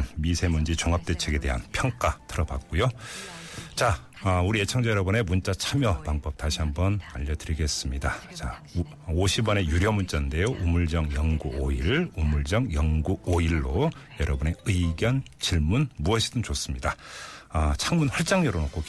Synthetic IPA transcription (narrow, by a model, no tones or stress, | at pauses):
nmisʰe̞mund͡ʑit͡ɕoŋɦap̚t͈e̞t͡ɕʰe̞ɡe̞de̞ɦa̰npʰjʌŋk͈atʰɯɾʌba̰k̚k͈ojo | t͡ɕa | ʌuɾije̞t͡ɕʰaŋd͡ʑʌjʌɾʌbɯne̞munt͡ɕ͈at͡ɕʰamjʌpaŋbʌp̚taɕʰiɦambʌnaʎːʌdɯɾiɡe̞s͈ɯmɲidat͡ɕa | oɕʰibʌne̞juɾjʌmunt͡ɕ͈ʌnnde̞joʔumuɭd͡ʑʌŋjʌŋɡuoiɭumuɭd͡ʑʌŋjʌŋɡuoiɭːojʌɾʔʌbune̞ɯiɡjʌn | t͡ɕiɭmunmuʌɕʰidɯnt͡ɕos͈ɯmɲidaʌt͡ɕʰaŋmunɸwaɭt͡ɕ͈aŋɲʌɾonok͈ok